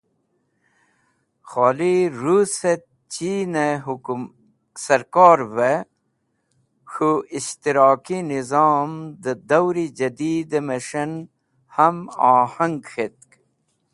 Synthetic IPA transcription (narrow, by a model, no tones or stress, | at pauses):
xoːliɾuset̪̚ | t͡ɕiːneɦum | sɐɾkɔːɾve | xuist̪iɾɑːkinizɑːmd̪əd̪ɐwɾid͡ʑɐd̪iːd̪emeʂɐn | hɐmaːhɐŋɡxet̪̚k